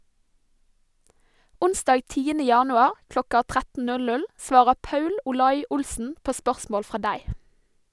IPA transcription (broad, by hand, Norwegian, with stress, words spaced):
ˈʊnsdɑːɡ ˈtiːənə ˈjɑːnʉɑɾ ˈklɔkɑ ˈtʁætn̩ ˈnʉl ˈnʉl ˈsʋɑːɾə ˈpɑʉl ʊˈlɑɪ ˈʊlsn̩ ˈpoː ˈspœʁsmoːl ˈfʁɑː ˈdæɪ